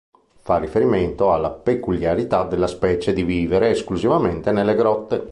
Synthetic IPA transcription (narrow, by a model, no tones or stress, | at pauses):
farːifeɾiment̪oalːapekuljaɾit̪ad̪elːaspɛːt͡ʃed̪iviːveɾeːskluzivament̪enelːeɡɾɔt̪ːe